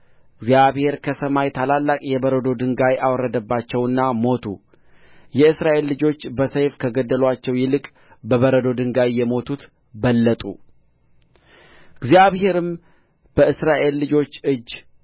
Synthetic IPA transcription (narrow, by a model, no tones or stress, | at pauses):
ɨɡzjaβhe̞ɾkʰəsəmajt̪ʰalalːakʼjɛbəɾəd̪o̞d̪ɨŋɡajʔawɔɾːəd̪əbːat͡ʃːɛwɨnːamo̞t̪ʰṵ | jɛɨsɾaʔe̞lːɨd͡ʒo̞t͡ʃːbəsəjfkʰəɡəd̪ːəlwat͡ʃːɛwjɪlɨkʼ | bəβəɾəd̪o̞d̪ɨŋɡajːɛmo̞t̪ʰut̪ | bəlːət̪ʼṵ | ɨɡzjaβhe̞ɾɨm | b̥əɨsɾaʔe̞lːɨd͡ʒo̞t͡ʃːɨd͡ʒː